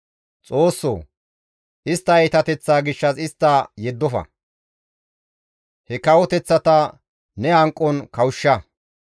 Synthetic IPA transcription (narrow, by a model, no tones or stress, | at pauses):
t͡sʼo̞ːsːo̰ː | ʔɪst̪ːɐjt̪ɐt̪ɛt͡sːaːɡɪʃːɐsɪst̪ːɐjɛd̪ːɔfɐ̰ | hɛkɐwɔt̪ɛt͡sːɐt̪ɐ | nɛhɐŋkʼːɔnkɐwʊʃːɐ